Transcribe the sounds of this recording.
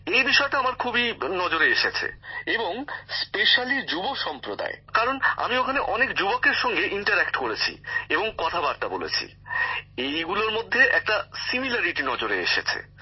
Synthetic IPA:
ejbiʃɔeʈaamaɾkʰubinɔd͡ʑoɾeeʃet͡ɕʰḛeboŋspeʃalid͡ʑuboʃɔmpɾod̪a̰ekaɾona̰miokʰaneʔɔnekd͡ʑubokeɾʃɔŋɡeʔiɳʈaɾɛkʈkoɾet͡ɕʰḭeboŋkɔt̪ʰabaɾt̪abolḛt͡ɕʰḭ | ejɡuloɾmod̪ʱːeʔɛk̚ʈasimilaɾiʈinɔd͡ʑoɾeḛʃḛt͡ɕʰḛ

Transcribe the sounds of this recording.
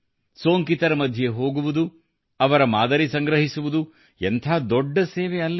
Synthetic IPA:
soːŋkit̪ɐɾɐmɐd̪ʱjeɦo̞ːɡuʋud̪u | ɐʋɐɾɐmaːd̪ɐɾisɐŋɡɾɐɦisuʋud̪u | ent̪ʰaːd̪ɔɖːɐseːʋeɐlːɐ

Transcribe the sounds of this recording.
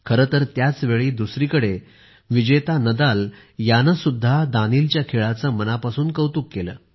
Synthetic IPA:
kʰəɾət̪əɾt̪jat͡sʋeɭiːd̪usɾiːkəɽe | ʋid͡ʑət̪anəd̪al | janəsud̪ʱːad̪aniːlt͡ɕjakʰeɭat͡səːmənapasuːnkəwt̪uːkːelə̰ː

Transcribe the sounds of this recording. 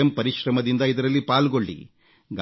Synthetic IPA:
ɐmpɐɾiʃɾɐmɐd̪ind̪ɐid̪ɐɾɐlːipaːlɡo̞ɭːḭ | ɡ

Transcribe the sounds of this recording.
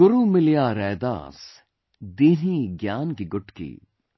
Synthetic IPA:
ɡʊɾuːmɪlijaːɾɛːd̪a̰ːs | d̪iːniɡjaːnkiɡʊʈkḭː

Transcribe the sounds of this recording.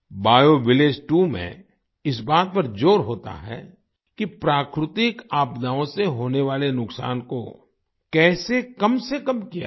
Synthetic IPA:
baːjoʋɪleːd͡ʒʈumḛ̃ | ɪsbaːt̪̚pɐɾd͡ʒoːɾɦoːt̪a̰ɦɛ̰ | kipɾaːkɾɪt̪ɪkaːpd̪aːõseɦoːneʋaːlenʊksa̰ːnko̰ | kɛːsekɐmsekɐmkija̰

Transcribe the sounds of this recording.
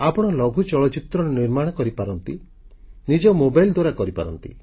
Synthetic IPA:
apɔɽ̃ɔlɔɡʱut͡ʃɔɭɔt͡ʃit̪ɾɔɾeniɾmaɽ̃ɔkɔɾipaɾɔnt̪i | nid͡ʒɔmobajld̪waɾakɔɾipa̰ɾɔ̰nt̪ḭ

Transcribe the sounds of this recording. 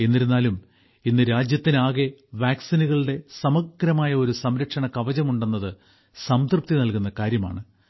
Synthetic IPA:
e̞nːiɾunːaːlum | inːɨɾaːd͡ʑjɐt̪ːinaːɣe̞ʋaːksinuɣɐɭɨɽe̞sɐmɐɡɾɐmaːjɐo̞ɾusɐmɾɐkʂɐɳɐkɐʋɐd͡ʑɐmuɳɖenːɐðɨ | sɐmt̪rɨp̚t̪ːinɐlkunːɐkaːɾjɐma̰ːɳɨ

